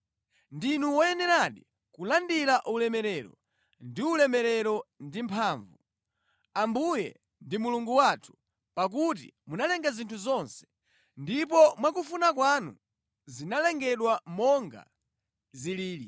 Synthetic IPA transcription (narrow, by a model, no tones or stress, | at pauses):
ndinuwɔjɛnɛɾaɗi | kulandiɾaʔulɛmɛɾɛɾɔ̰ | ndiulɛmɛɾɛɾɔndimpʰaːɱvu | ambujɛ̰ | ndimuluŋɡuwatʰu̥ | pak̬ut̬ḭmunalɛŋɡazintʰuzɔnsɛ̥ | ndipɔmwakufunakwanṵ | zinalɛŋɡɛɗwamɔŋɡa̰ | ziliːɾi